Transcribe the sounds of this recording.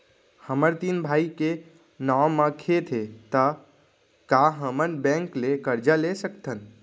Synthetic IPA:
həməɾt̪inbʱaːike | namːə̃kʰet̪ʰet̪ə | kaɦəmənbɛ̃ŋklekəɾd͡ʒalesəkt̪ʰən

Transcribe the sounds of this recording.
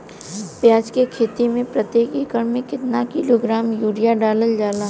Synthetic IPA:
pjaːd͡ʒkekʰeːt̪imẽpɾɐt̪eːkikəɽmẽkɪt̪nakiːloɡɾaːmjuːɾijaɖaːləld͡ʒaːlaː

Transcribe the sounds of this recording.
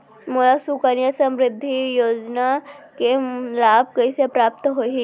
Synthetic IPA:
molasukənjasɐ̃mɾɪd̪ʱːijoːd͡ʒnakelaːb̚kɐisepɾaːpt̪ɦoɦi

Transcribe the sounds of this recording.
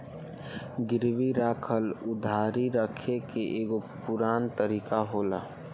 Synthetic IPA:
ɡɪɾʋiɾaːkʰəlʊd̪ʱaːɾiɾəkʰekeʔeːɡopʊɾaːnt̪əɾiːkaɦoːlaː

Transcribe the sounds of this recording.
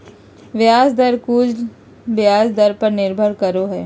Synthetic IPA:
ʋjaːzd̪ɐɾkuːd͡ʒ | ʋjaːzd̪ɐɾpɐɾnɪɾbʱəɾkɐɾoɦɛː

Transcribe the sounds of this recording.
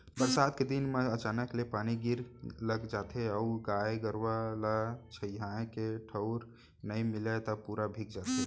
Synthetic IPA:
bəɾsad̪̚ked̪inmeət͡ʃanəklepaniɡiɾləɡd͡ʒat̪ʰeəuɡajɡəɾwalət͡ʃʰəjɦãkeʈʰəʊɾ | nəjmilat̪əpuɾabʱikd͡ʒat̪ɦe

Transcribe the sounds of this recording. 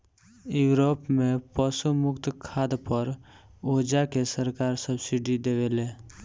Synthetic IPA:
juːɾoːpmẽpəsumʊkt̪kʰaːd̪pəɾoːd͡ʒakesəɾkaːɾsəbsɪɖid̪eːʋeleː

